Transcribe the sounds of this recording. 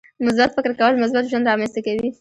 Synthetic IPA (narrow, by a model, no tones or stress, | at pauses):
mʊs̬bat̪fɪkɾkawəlmʊsbat̪ʒwand̪ɾɑmanst̪akawi